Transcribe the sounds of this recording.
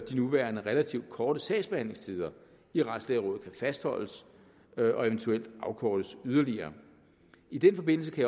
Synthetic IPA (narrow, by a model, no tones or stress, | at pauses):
d̥inuʋæːɐnəʁelæt͡sʰiʊd̥̚kʰɒːɾ̥əsɛɪsb̥e̝hæn̰le̝ŋst͡sʰiːð̞ˠɐ | iʁḁsd̥lɛːʁɔ̰ːð̩ˠkʰæfæsd̥hɒ̽l̰əs | ʔɒ̽e̝ʋənt͡sʰuel̰d̥ɑ̈ʊkʰɒːd̥əsyð̞ˠɐliɐː | id̥enfɒ̽b̥e̝n̰l̩səkʰæja